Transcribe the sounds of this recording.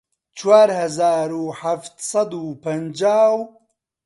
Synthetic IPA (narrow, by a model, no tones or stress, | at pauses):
t͡ʃwaːɾhɐzaːɾuːħaft̪sɐd̪upɐnd͡ʒaːw